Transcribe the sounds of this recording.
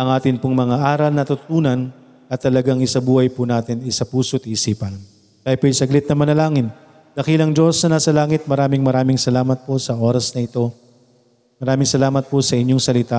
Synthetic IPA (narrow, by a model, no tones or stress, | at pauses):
ʔɐŋʔaːt̪ɪnpʊŋmɐŋaʔaːɾɐlnɐt̪ʊt̪t̪uːnɐn | ʔɐt̪ːɐlɐɡaŋɪsɐbuːhɐjpʊnaːt̪ɪnɪsɐpuːsot̪iʔːsiːpɐn | t̪aːjpojsɐɡlɪt̪̚nɐmɐnɐlaːŋɪn | d̪ɐkilɐŋd͡ʒo̞snɐnaːsɐlaːŋɪt̪̚mɐɾaːmɪŋmɐɾaːmɪŋsɐlaːmɐt̪̚posɐʔo̞ːɾɐsnɐɪt̪o̞ | mɐɾaːmɪŋsɐlaːmɐt̪̚posɐʔɪɲjo̞ŋsɐlɪt̪a